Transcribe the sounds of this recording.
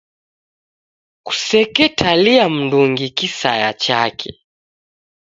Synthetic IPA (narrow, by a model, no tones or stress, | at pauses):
ku̥sɛkɛtʰaliam̩nduŋɡikisajat͡ʃakʰɛ̰